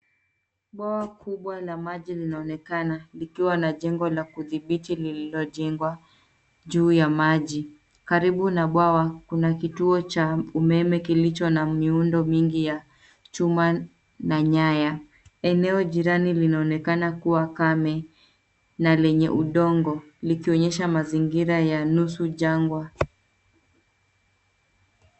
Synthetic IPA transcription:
ɓwawakʰuɓwalamaʄilinaɔnɛkanalikiwanaʄɛŋɡɔlakuðiɓitilililɔʄɛŋɡwa | ʄuːjamaʄi | kaɾiɓunaɓwawakunakituɔt͡ʃaumɛmɛkilit͡ʃɔnamiundɔmiŋɡija | t͡ʃuma | naɲaja | ɛnɛɔʄiɾanilinaɔnɛkanakuwakamɛ | nalɛɲɛʔuɗɔŋɡɔ | likiɔɲɛʃamaziŋɡiɾajanusuʄaŋɡwa

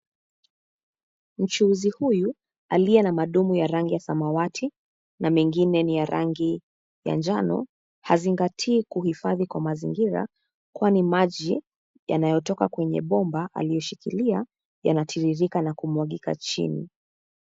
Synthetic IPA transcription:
m̩t͡ʃuuzihuju | alijɛnamaɗumujaɾaŋɡijasamawatʰi | namiŋɡinɛnijaɾʔa̰ŋɡi | ja̰nd͡ʒanɔ̰ | haziŋɡatʰiːkuhifaðikwamazḭŋɡiɾa̰ | kwanimaʄi | ja̰najɔtɔkakwɛɲɛ̰ɓɔmbaʔa̰lijɔʃikilia | janatʰiɾiɾikanakumwaɠika̰t͡ʃḭnḭ

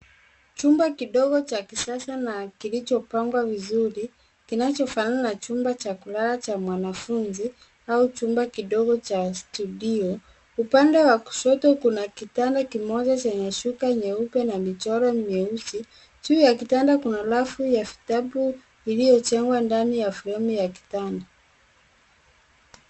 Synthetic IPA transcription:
t͡ʃumbakiɗɔɡɔt͡ʃakisasanakilit͡ʃɔpaŋɡwavizuɾi | kinat͡ʃɔfananat͡ʃumbat͡ʃakulalat͡ʃamwanafunzi | aut͡ʃumbakiɗɔɡɔt͡ʃastuɗiɔ | upandɛwaku̥ʃɔtɔkunakitandakimɔʄat͡ʃɛɲaʃukaɲɛupɛnamit͡ʃɔɾɔɲɛusi | t͡ʃuːjakitandakunalafujafi̥taɓu | ilijɔt͡ʃɛŋɡwandanijafiɾɛmijaki̥tanda

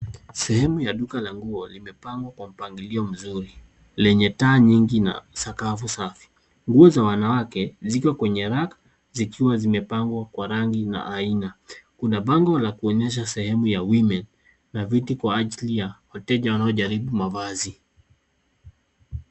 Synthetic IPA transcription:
sɛhɛmujaɗukalaŋɡuɔlimɛpaŋɡwakwam̩paŋɡiliɔm̩zuɾi | lɛɲɛtaːɲiŋɡina̰sakafusafi̥ | ŋɡuɔzawanawakɛzikwakwɛɲɛɾakḁ | zikiwazimɛpaŋɡwakwaɾaŋɡina̰ʔainakunaɓaŋɡɔlakuɔɲɛʃ̬asɛhɛmujawimɛnː | avitikwaaʄilijahɔtɛʄawanaɔʄaɾiɓumavazi

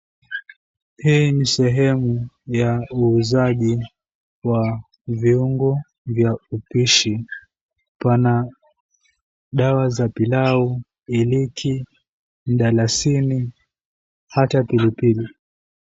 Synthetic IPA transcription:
hiːnisɛɦɛmu | jauːzaʄi | wa | viuŋɡɔ | vjaupiʃi | pana | ɗawazapilau | ilikʰi | m̩ɗalasini | hatapilipili

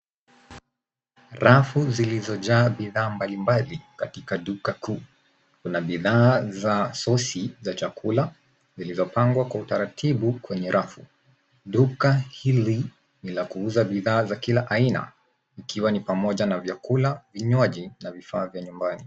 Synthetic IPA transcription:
ɾafuzilizɔʄaːɓiðaːmbalimbalikatikaɗukakuː | kunaɓiðaːzasɔsizat͡ʃakʰula | zilizɔpaŋɡwakwautaɾatʰiɓukwɛɲɛɾʔafu | ɗukahili | nilakuuzaɓiðaːzakilaʔaina̰ | ikiwanipamɔʄanavjakulaviɲwaʄinavifaːvjaɲumbani

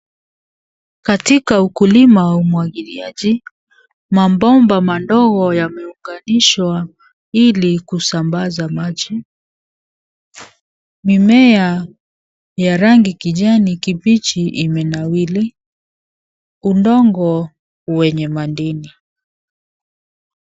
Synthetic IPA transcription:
katikaukulimawaumwaɠiliaʄi | mambɔmbamandɔɣɔjamɛuŋɡaniʃwa | ilikusambazamaʄi | mimɛa | jaɾaŋɡikiʄanikipit͡ʃiʔimɛnawili | undɔŋɡɔ | wɛɲɛmandini

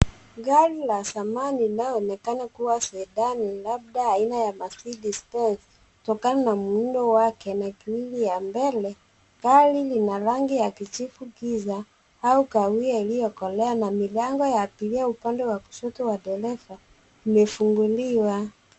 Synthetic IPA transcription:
ɡalilasamaniinaɔɔnɛkanakuwasɛːɗanilab̚ɗaːinajamasidispɛns | kutɔkananamuundɔwakɛnakiwilijambɛlɛ | kalilinaɾaŋɡijakit͡ʃifuɡiza | haukawiailijɔkɔlɛanamilaŋɡɔjaːpiliaupandɛwaku̥ʃɔtɔwaɗɛlɛfa | imɛfuŋɡuliwa

